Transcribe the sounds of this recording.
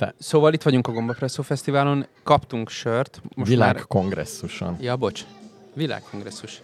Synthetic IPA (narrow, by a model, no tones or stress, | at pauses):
t̪ɛsoːvɒlit̪ʋɒɟuŋkɒɡo̞mbɒprɛsoːfɛst̪ivaːlo̞nkɒpt̪uŋkʃørt̪moilaaːrkːko̞ŋɡrɛ̰sːuʃo̰njɒbo̞t͡ʃ | vila̰ːkkːo̞ŋɡrɛsːuʃ